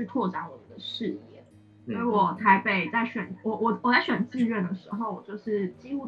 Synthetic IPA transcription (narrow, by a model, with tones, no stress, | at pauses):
y˥˧t̪ʰwɔ˥˩ʈ͡ʂa˨˧˥nwɔ˨˩˦d̪ə˦ʂɻ̩˥˧jɛ˥˩ | sɔ˥i˧˥wɔ˨˩t͡sʰa˧˥ɪpe˥˩ɪt͡sa˥˩ɪɕɥɛ˨˩˦nwɔ˨˩wɔ˨˩wɔ˨˩t͡sa˥ɪɕɥɛ˨˩nt͡sɹ̩˥˧ɥɛ˥˩nd̪ə˩ʂɻ̩˧˥xo˧ʊwɔ˨˩t͡ɕjo˥˧ʊʂɻ̩˥˩t͡ɕi˥u˥˩